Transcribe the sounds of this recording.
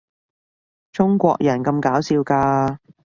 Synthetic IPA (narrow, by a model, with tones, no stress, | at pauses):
t͡ʃʊ˥ŋkʷɔ̰ː˧k̚jʔɐ˨˩nkɐ˧mkaː˨˥wsiː˧wkaː˧